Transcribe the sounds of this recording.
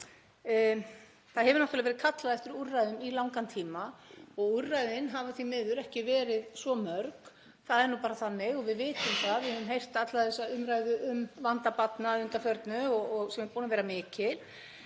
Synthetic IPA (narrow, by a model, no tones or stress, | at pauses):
θaðhɛvʏɾnɔht̪aɾlavɛɾɪ̥kʰat̪laðɛft̪ʏɾurːajðʏmilawŋkant̪ʰiːmaɔɣurːajðɪnɦavaθvimɪðʏɾɛhcɪvɛːɾɪðsvɔmœɾk | θaðɛɾnupaːɾaθanːɪɣɔɣvɪðvɪːt̪ʏmθaðvɪhɛvʏmɦejr̥t̪at̪laðaθɛsːaʏmɾajðʏʔʏmvant̪apat̪naðʏnt̪afjœɾt̪nʏɔɔɣsɛmɛpuːnavɛːɾamɪːcɪl̥